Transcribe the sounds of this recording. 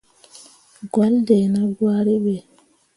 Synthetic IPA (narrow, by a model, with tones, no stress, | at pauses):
ɡɔ˦ldɛ˨na˦ɡwa˦ɾi˦ɓɛ˨